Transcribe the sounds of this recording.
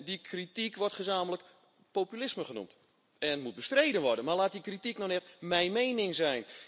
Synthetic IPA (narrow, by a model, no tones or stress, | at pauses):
dikʰritikʋɔrtχəzaːmələk | popylɪsməχənṵmt | ɛntmut̚bəstrejdənʋɔrdənmarlaːt̚dikritiknɔnɛtmɛjnmejnɪŋzɛjn